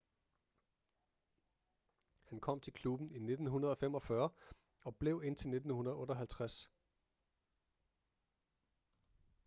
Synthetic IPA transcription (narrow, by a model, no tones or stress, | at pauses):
hænkʰɒ̽m̰t͡sʰe̝lkʰlub̥n̩ine̝d̥n̩ɦunɐð̞ˠɒ̽femɒ̽fɶɐ | ɒ̽b̥le̝ʊe̝n̰t͡sʰe̝lne̝d̥n̩hunɐð̞̩ˠɔ̽ːɾɒɦælt͡sʰʁas